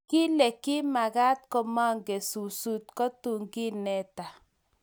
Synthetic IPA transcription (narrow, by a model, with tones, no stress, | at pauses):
ki˦lɛ˨kɪ˦ma˨ɣa˦t̚kɔ˦ma˦ŋɡe˨su˨su˦t̚kɔ˦tu˨ŋɡi˦nɛ˦ta˨